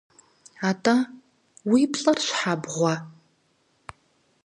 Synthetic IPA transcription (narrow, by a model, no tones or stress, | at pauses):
aːtʰʼa | wipɬʼɐrɕħabʁʷɔ